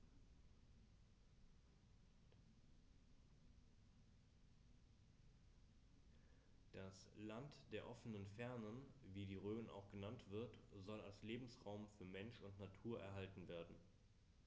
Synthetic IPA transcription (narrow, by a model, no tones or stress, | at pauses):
d̥aslantd̥eːɐʔɔfənənfɛɐnənviːdiːʁøːməna̰ʊxɡ̥ənantv̥ɪɐtzɔlalsleːbm̩sʁaʊmfyːɐmɛnʃʊntnatʰuːɐʔɛ̰ɐɦaltn̩veːɐdn̩